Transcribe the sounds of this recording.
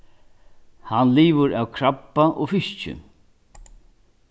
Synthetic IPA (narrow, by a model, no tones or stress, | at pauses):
hanliːʋəɾa̰wkʰɾapːaʔofɪʃt͡ʃʏ̰